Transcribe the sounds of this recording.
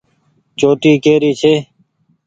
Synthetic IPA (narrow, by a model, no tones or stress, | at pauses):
t͡ʃoːt̪iːkeːɾiːt͡ʃʰeː